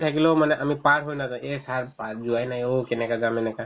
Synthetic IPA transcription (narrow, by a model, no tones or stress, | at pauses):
t̪ʰakilomanɛʔəmipaʈɦojnad͡ʒãesaɾpad͡ʒuajnajokenɛkaɡamenɛka